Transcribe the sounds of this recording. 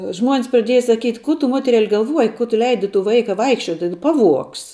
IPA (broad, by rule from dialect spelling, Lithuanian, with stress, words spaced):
ˈʒmuɔnʲs prɐˈdʲiɛjɛ sɐˈkʲiːtʲ ˈkʊ tʊ ˈmoːtʲɛrʲɛlʲ ɡɐlˠˈʋuɔjɪ ˈkʊ tʊ ˈlʲɛɪdʲɪ tʊ ˈʋɐɪkɐ ˈʋɐɪkʃʲt͡ʃʲuɔtʲɪ ˈpɑːˌʋuɔks